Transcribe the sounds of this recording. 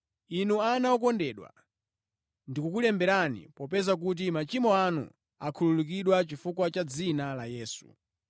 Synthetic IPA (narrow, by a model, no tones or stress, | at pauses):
inuanaɔkɔndɛɗwa̰ | ndikukulɛmbɛɾanḭpɔpɛzak̬ut̬imat͡ʃimɔanṵ | akʰululuk̬iɗwat͡ʃifukwat͡ʃad͡zinalajɛːsṵ